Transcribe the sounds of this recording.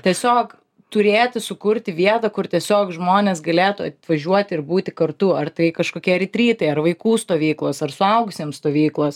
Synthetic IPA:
t̪ʲiɛsʲoːk | t̪ʊɾʲeːt̪ʲɪsʊkʊɾʲt̪ʲɪʋʲiɛt̪ɐkʊrt̪ʲiɛsʲoːkʒmoːnʲeːsɡɐlʲeːt̪ʊɐt̪ʋɐʒʲuɔt̪ʲɪɪɾbuːt̪ʲɪkɐrt̪ʊɐrt̪ɐɪkɐʃkoːkʲiɛɾʲɪt̪ʲɾʲiːt̪ɐɪɐrʋɐɪkuːst̪oːʋʲiːklˠoːsɐrsʊɐʊɡʊsʲeːmst̪oːʋʲiːklˠoːs

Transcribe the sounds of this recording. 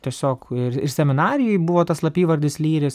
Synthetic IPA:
t̪ʲiɛsʲoːkɪɾɪ̰ɾsʲɛmʲɪnɑːɾʲɪjʊjbʊʋoːt̪ɐslˠɐpʲiːʋɐɾʲd̪ʲɪslʲiːɾʲɪs

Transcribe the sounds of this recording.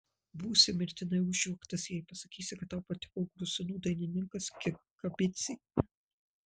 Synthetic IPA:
buːsʲɪmɪɾʲt̪ʲɪnɐɪʊʒʲɛkt̪ɐsjɛɪpɐsɐkʲiːsʲɪkɐt̪ːɑʊpɐt̪ʲɪ̥kɔʊkɾʊsʲɪnuːd̪ɐɪnʲɪnʲɪŋkɐskʲɪkɐbʲɪt̪sʲiː

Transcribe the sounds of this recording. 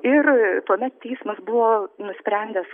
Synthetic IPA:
ɪrt̪uɔmʲɛt̪tʲɛɪsmɐsbʊʋoːnʊsʲpʲɾʲɛnʲd̪ʲɛs

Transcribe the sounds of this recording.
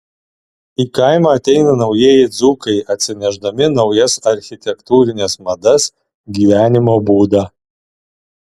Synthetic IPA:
iːkɑˑɪmɑˑːt̪ʲɛɪnɐnɒʊjeɛːjɪd̪zuːkɐɪʔɐt̪ʲsʲɪnʲɛʒd̪ɐmʲɪnɒʊjɛsɐɾʲxʲɪt̪ʲɛkt̪uːɾʲɪnʲɛsmɐd̪ɐs | ɡʲiːʋʲæːnʲɪmoːbuːd̪ɑː

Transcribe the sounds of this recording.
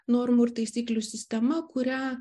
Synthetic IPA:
noːɾmʊɾt̪ɐɪsʲiːklʲʊsʲɪsʲt̪ʲɛmɐkʊɾʲæ

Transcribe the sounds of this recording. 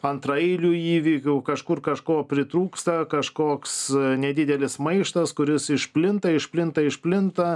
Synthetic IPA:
ɐnt̪ɾɐɛɪlʲuːiːʋʲiːkʲuːkɐʃkʊrkɐʃkoːpʲɾʲɪt̪ɾuːkst̪ɐkɐʃkoːksnʲɛd̪ʲɪd̪ʲɛlʲɪsmɐɪʃt̪ɐskʊɾʲɪsɪʃpʲlʲɪnt̪ɐɪʃpʲlʲɪnt̪ɐɪʃpʲlʲɪnt̪ɐ

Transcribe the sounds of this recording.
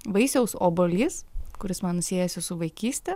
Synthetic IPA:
ʋɐɪsʲɛʊsoːbolʲiːskʊɾʲɪsmɐnnʊsʲeːjɛsʲɪsʊʋɐɪkʲiːsʲt̪ʲɛ

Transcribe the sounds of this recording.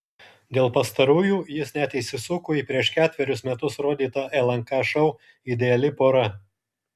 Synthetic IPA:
d̪ʲeːlˠpɐst̪ɐɾuːjuːjɪsnʲæt̪ʲɪsʲɪsʊkʊːiːˑpʲɾʲiɛʃkʲæːt̪ʲʋʲɛɾʲʊsmʲɛt̪ʊsɾoːd̪ʲiːt̪ɐʔɛlˠɐŋkɑʃɐʊ | ɪd̪ʲɛɐlʲɪpoːɾɐ

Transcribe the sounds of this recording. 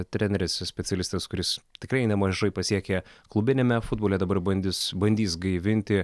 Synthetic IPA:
t̪ʲɾʲɛnʲɛɾʲɪssʲpʲɛt̪ʲɛlʲɪst̪ɐskʊɾʲɪst̪ʲɪkɾɐɪnʲɛmɐʒɐɪpɐsʲiɛkʲɛklˠʊbʲɪnʲɛmʲɛfʊd̪boːlʲɛd̪ɐbɐɾbɐnʲd̪ʲɪsbɐnʲd̪ʲiːsɡɐɪʋʲɪnʲt̪ʲɪ

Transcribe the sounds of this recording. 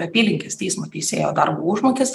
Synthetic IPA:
ɛpʲiːlʲɪŋʲkʲɛst̪ʲiɪsmɐt̪ʲiːseːjoːd̪ɐɾbuːʊʒmoːkʲes

